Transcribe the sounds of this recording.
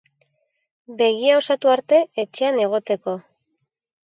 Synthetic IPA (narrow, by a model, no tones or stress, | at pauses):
be̞ɣiao̞sat̪uaɾt̪e̞et͡ʃe̞ane̞ɣ̞o̞t̪e̞ko̞